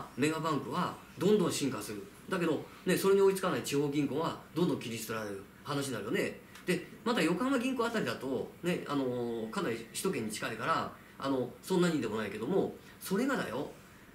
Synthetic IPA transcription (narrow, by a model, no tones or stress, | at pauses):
me̞ɡabãŋkɯ̟βa | d̪õ̞nd̪õɰ̃ɕĩŋkasɨɾɯ̟ | d̪ak̬e̞d̪o̞ | ne̞so̞ɾe̞ɲ̟io̞it͡sɨ̥kanait͡ɕiho̞ːɡʲĩŋko̞βad̪õ̞nd̪õ̞ŋkʲiɾʲist̪oɾaɾeɾɯ | hanaɕ̬inaɾɯ̟jo̞ne̞ | d̪̥e̞mat̪ajo̞kãmaɡʲĩŋko̞at̪aɾʲid̪at̪o̞ne̞ano̞kanaɾʲiɕi̥t̪o̞k̬ẽ̞ɲ̟ːit͡ɕi̥kaikaɾa | a̰no̞sõnːaɲiid̪e̞mo̞naike̞d̪o̞mo̞ | so̞ɾe̞ɡad̪a̰jo̞̰